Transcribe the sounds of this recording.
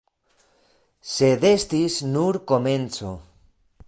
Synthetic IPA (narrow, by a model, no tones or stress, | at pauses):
seðest̪isnuɾkomẽnt͡so̰